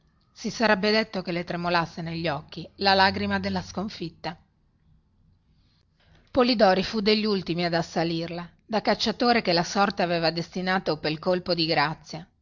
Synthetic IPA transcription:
sisaɾɛbːed̪et̪ːokelet̪ɾemolasːeneʎːɔkːilalaɡɾimad̪elːaskoɱfit̪ːa | polid̪ɔːɾifud̪eʎːult̪imiad̪asːalirla | d̪akat͡ʃːat̪oːɾekelasɔrt̪eaveːvad̪est̪inaːt̪opelkolpod̪iɡɾat̪sːja

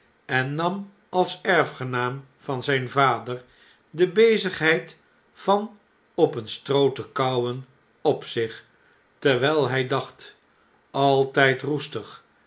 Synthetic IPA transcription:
ɛnːɑm | ɑlˠsɛɹfχənaːm | vɑnzɛjnvaːdəɹ | dəbejzəχɦɛjt | fɑn | ɔpənstrowtəkɑwən | ɔpsɪχ | tɛɹʋɛjlˠɦɛjdɑχt | ɑlˠtɛjtrustəχ

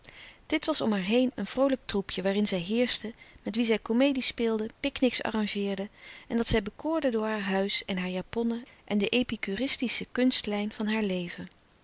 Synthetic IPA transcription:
d̥ɪtʋɑsɔmɦaːɹɦejnənv̥rowlək̚trupjəʋaːrɪnzɛjɦɪːɹstəmɛtʋizɛjkomejdispɪːlˠdəpɪknɪksɑ̰rɑŋʒɪːɹdəɛndɑtsɛjbəkʊːɹdədʊːɹɦaːɹɦœɥsɛnɦaːɹjaːpɔnəʔɛndəʔejpikyrɪstisəkɵnstlɛjnv̥ɑnɦaːɹlejvə

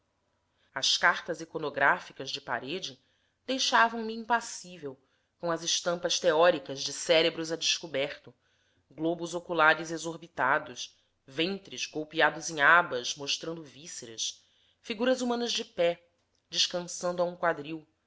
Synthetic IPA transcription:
ɐskaɾt̪ɐzekonoɡɾafikɐzd͡ʒɪpa̰ɾed͡ʒɪ | d̪ejʃavɐ̃w̃miĩpasivew | kõɐzɪʃt̪ɐ̃mpɐst̪eɔɾikɐzd͡ʒɪsɛɾebɾʊzad͡ʒɪʃkubɛχt̪ʊ | ɡlobʊzokulaɾɪzezoɾbit̪ad̪ʊs | vẽnt̪ɾɪzɡowpiad̪ʊzẽŋ̃abɐʃmoʃt̪ɾɐ̃nd̪ʊviseɾɐ̰s | fiɡuɾɐzumɐ̃nɐzd͡ʒɪpɛ | d͡ʒɪʃkɐ̃sɐ̃nd̪ʊaũkwad̪ɾiw

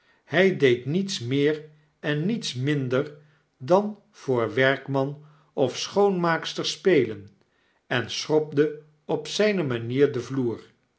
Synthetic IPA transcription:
hɛjdejtnitsmɪːɹ | ɛnːitsmɪndəɹ | dɑn | v̥ʊːɹʋɛɹkmɑn | ɔfsχownmaːkstəɹspejlən | ɛnsrɔb̚də | ɔpsɛjnəmaniːɹdəvluːɹ

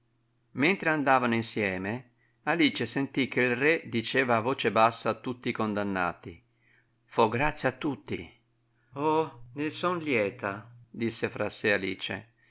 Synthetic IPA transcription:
mɛnt̪ɾeand̪aːvanoinsjɛːme | aliːt͡ʃesent̪ik̟ːeilrɛd̪it͡ʃeːvaːvoːt͡ʃebasːaːt̪ːut̪ːikond̪anːa̰ːt̪i | fɔɡɾat̪sːjat̪ːut̪ːḭ | ɔnesɔnljɛːt̪ad̪isːefɾasealiːt͡ʃḛ

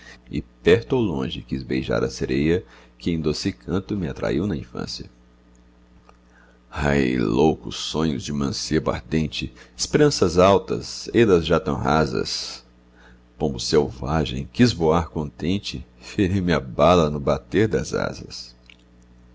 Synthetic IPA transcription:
ɪ̰pɛɾt̪ʊowlõʒɪkizbejʒa̰ɾɐseɾejɐkɪẽj̃d̪osɪkʰɐ̃nt̪ʊmɪat̪ɾa̰iwnɐĩfɐ̰̃sjɐ | ha̰jlowkʊsːõɲʊzd͡ʒɪmɐ̃siɐbʊa̰ɾd̪ẽt͡ʃɪɪspeɾɐ̃sɐzawt̪ɐ̰zed̪ɐzʒat̪ɐ̃ɦazɐ̰s | kõmbʊsewvaʒḛ̃j̃kizvoaɾkõnt̪ẽnt͡ʃɪfeɾiwmɪɐbalɐnʊbat̪eɾd̪ɐza̰zɐ̰s

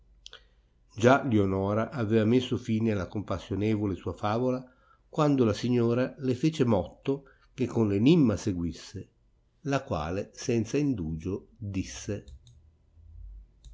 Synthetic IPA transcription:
d͡ʒalionɔːɾaʔavɛːvamesːofiːnealːakompasːjonɛːvolesuːafaːvola | kwand̪olasiɲːoːɾalefeːt͡ʃemɔt̪ːo | kekʰːonlenimːaseɡwisːe | lakwa̰ːlesɛnt̪saind̪uːd͡ʒod̪isːe

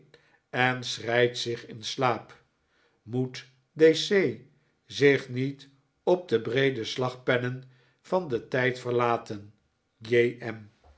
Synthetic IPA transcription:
ɛnsrɛjtsɪχɪnslaːp | mut | desej | zɪχnit | ɔb̚dəbrejdəslɑχpɛnən | v̥ɑndətɛjtfəɹlaːtən | jeɛm

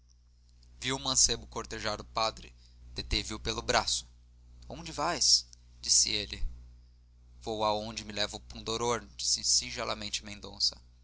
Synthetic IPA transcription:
viwʊmɐ̃sebʊkoɾt̪eʒaɾʊpad̪ɾɪ | d̪̥et̪eviʊpelʊbɾasʊ̥ | õd͡ʒɪvajs | d͡ʒisɪ̰elɪ | v̥owaõd͡ʒɪmɪlɛvʊpũnd̪oɾoɾd͡ʒisɪsĩʒalʔɐmẽnt͡ʃɪmẽnd̪õ̰sɐ

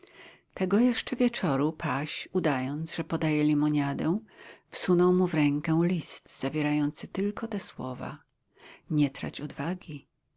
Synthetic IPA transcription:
t̪ɛɡɔjɛʂt͡ʂɛvʲjɛt͡ʂɔɾupʰaɕud̪ajɔnt̪zʐɛpɔd̪ajɛlʲimɔɲad̪ɛ̃fsunɔwmuvɾɛŋkɛw̃lʲist̪z̥avʲjeɾajɔnt̪sɘt̪ɘlkɔt̪ɛswɔva̰ | ɲɛt̪ɾa̰t͡ɕɔd̪vaɡʲi

